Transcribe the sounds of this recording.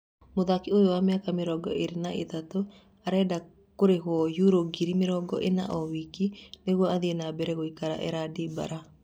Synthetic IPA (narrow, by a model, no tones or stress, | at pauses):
moðakiojowameakameɾɔɡɔ̰ʔeɾenaet̪ato | aɾɛda | koɾeɦwɔjuɾoɡiɾimeɾɔɡɔʔena̰ʔɔwikineɣwɔaðienabɛɾɛɣoikaɾa̰ʔɛ̰ɾadeba̰ɾa